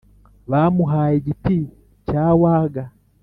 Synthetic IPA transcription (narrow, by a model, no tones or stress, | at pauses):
βamuɦaiɟipi | t͡ʃawaɡa